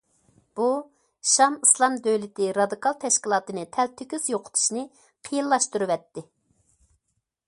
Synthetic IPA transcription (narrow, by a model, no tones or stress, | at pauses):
b̥u | ʃɑməslˠɑmd̪øjlɪt̪ɪɾɑd̪ɨkʰɑlˠt̪ʰɛʃkʲilˠɑːt̪ɨnɨt̪ʰɛlt̪ʰykʲyz̥joqʰʊ̥t̪ʰu̥ʃnɪ | qʰəjilˠːɑʃt̪uɾɨvɛt̪ːɪ